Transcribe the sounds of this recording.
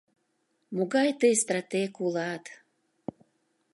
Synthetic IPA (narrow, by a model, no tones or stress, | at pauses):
muɡɑjt̪əjst̪ɾat̪ekulɑt̪